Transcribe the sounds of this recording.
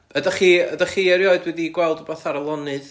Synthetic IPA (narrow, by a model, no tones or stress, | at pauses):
ədaχiːədaχiɛɾjoɨdwɛðiɡwɛlˠdɔbɔθaɾəlˠɔnɨð